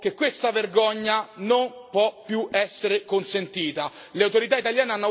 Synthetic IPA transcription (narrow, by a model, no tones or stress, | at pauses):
k̟ekːwest̪averɡɔɲːanompwɔpːjuɛsːeɾekonsent̪iːt̪aleawt̪oɾit̪̬ait̪aljaːneanːo